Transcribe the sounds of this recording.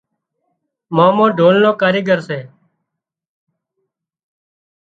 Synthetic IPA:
mãːmõːɖʱoːlnõːkaːɾeːɡəɾseː

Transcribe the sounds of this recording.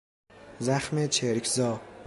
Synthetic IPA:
zæxmet͡ʃʰeɾkʰzɒː

